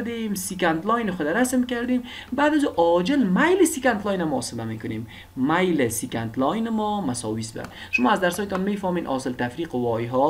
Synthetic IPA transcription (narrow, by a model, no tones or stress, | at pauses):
d̪emsikant̪lɔjnxʊd̪aɾasmkaɾd̪em | baːd̪azuːʔɔːd͡ʒɪlmajlɪsikant̪lɔjnamɔɔ̰sɪlamekʊnemː | ajlɪsikant̪lɔjnɪmɔmasɔ̰ːwisba̰ʃʊmɔːazd̪aɾsɔːjet̪ɔnmeːfɔmeːnʔɒ̰ːsɪlt̪afɾiːqʊwɔjɦɔ